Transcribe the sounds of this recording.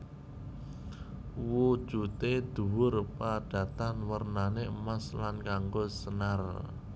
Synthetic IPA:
wud̥ʒ̥ut̪ed̪̥ṳwʊrpaɖ̥a̤t̪anwərnaneəmaslankaŋɡosənar

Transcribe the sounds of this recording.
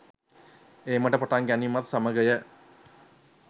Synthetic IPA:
eːməʈəpaʈaŋɡænimɐt̪saməɡəjə

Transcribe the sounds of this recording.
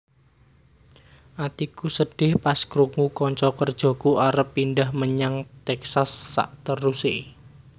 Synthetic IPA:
ʔat̪ikusəɖ̥ɪhpaskɾuŋukɔɲt͡ʃɔkərd̥ʒ̥o̤kuaɾəpːinɖahməɲaŋt̪ɛksasːa̰ʔt̪əruse

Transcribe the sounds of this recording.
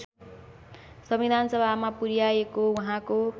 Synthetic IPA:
sʌmid̪ʱanʌsʌbʱamapuɾjaekouɦãko

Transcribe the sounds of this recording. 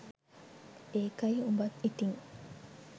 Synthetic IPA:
eːkɐiumbɐt̪it̪iŋ

